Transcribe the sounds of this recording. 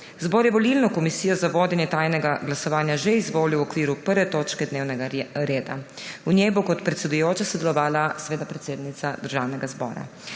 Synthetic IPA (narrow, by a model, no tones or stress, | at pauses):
zboːɾjɛʋɔlilnɔkɔmisiːjɔzaʋoːd̪jɛnjɛt̪aːjnɛɡaɡlasɔʋaːnjaʒeizʋoːliwɔkʋiːɾupəɾʋɛt̪oːt͡ʃkɛd̪neːwnɛɡaɾeːd̪a̰unʲjɛjbokɔt̪pɾɛt̪sɛd̪ujoːt͡ʃasɔd̪ɛlɔʋaːlasʋeːd̪apɾɛt̪seːd̪nit̪sad̪əɾʒawnɛɡazbɔ̰ːɾa̰